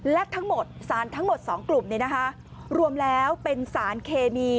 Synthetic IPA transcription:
lɛ˦˥ʔt̪ʰa˦˥ŋmo˨˩t̪̚saː˩˦nt̪ʰa˦˥ŋmo˨˩t̪̚sɔː˩˦ŋklu˨˩mni˦˥˩na˦˥kʰa˦˥ʔ | ɾu˧əmlɛː˦˥wpe˧nsaː˩˦nkʰeː˧miː˧

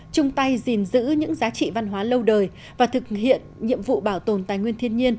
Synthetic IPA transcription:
t͡ɕʊ˧ŋ͡mt̪a˧jzi˨˩nzɨ̰˧˥ɲɨ̰˧˥ŋzaː˨˦t͡ɕḭ˧˨va˧nɦwaː˨˦lə˧wɗəː˨˩j | vaː˨˩t̪ʰɨ˨˩k̚ɦḭ˧˨ənɲḭ˧˨əmvṵ˧˨ɓaː˧˩wt̪o˨˩nt̪aː˨˩jŋwənt̪ʰi˧ənɲi˧ən

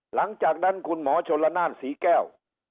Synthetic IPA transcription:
la̰˨˦ŋt͡ɕaː˨˩k̚ɗa˧˩nku˨˩ənmɔ˨˦t͡ɕo˨˦la˧˦naː˧˩nsi˨˦kɛ˧˩˨w

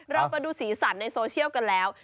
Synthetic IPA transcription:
ɾa˧wpa˧duː˧siː˩˦sa˩˦nnːa˧jsoː˧t͡ɕʰi˥˩əwka˧nlɛː˦˥w

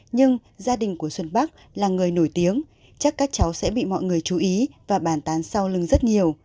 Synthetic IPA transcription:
ɲɨ˧ŋzaː˧ɗï˨˩ŋ̟ku˧˩əswə˧nɓa˦˥k̚ | laː˨˩ŋɨ˨˩əjno˧˩jt̪i˨˦əŋ | t͡ɕa˦˥kːaː˦˥k̚t͡ɕa˨˦wsɛ̰˧˥ɓḭ˧˨mɔ̰˧˨jŋɨ˨˩əjt͡ɕu˨˦ʔi˨˦vaː˨˩ɓaː˧˩nt̪aː˨˦nsa˧wlɨ˨˩ŋzə˦˥t̚ɲi˨˩əw

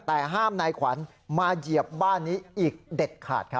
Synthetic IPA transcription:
t̪ɛː˨˩ɦaː˥˩mnaː˧jkʰwa˩˦n | maː˧ji˨˩əp̚baː˥˩nːiː˦˥ʔiː˨˩k̚de˨˩t̪̚kʰa̰ː˨˩t̪̚kʰ

